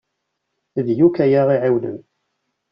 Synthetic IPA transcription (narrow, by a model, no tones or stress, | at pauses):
ðjukæjaʁiʕiwnə̰n